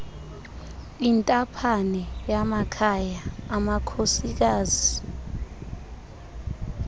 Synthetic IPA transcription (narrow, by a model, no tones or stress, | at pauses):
intʼapʰanɛjamakʰajaːmakʰosik̬aːzi